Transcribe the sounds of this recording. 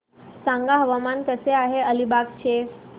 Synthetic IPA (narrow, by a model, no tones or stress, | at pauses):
sãŋɡaɦəʋamankəseaɦeəlibak̚t͡ɕʰe